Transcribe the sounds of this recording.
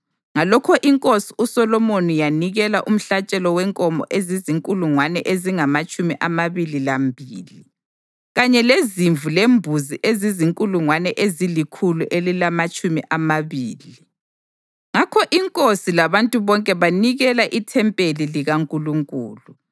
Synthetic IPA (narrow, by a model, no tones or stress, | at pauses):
ŋalɔkʰɔʔiŋkʼosi̥usɔlɔmonijaniɣɛlaʔum̩ɬat͡ʃʼɛlɔwɛŋkʼɔmɔ̰ʔeziziŋkʼuluŋwanɛʔeziŋamat͡ʃʼumiʔamaβililambʱiːli | ɣaɲɛleziɱvʱulembʱuziʔeziziŋkʼuluŋwanɛʔezilikʰuluʔelilamat͡ʃʼumiʔamaβiːli | ŋakʰɔʔiŋkʼosilaβantʼuβɔŋkʼɛβaniɣɛlaʔitʰɛmpʼeliliɣaŋkʼuluŋkʼṵːlu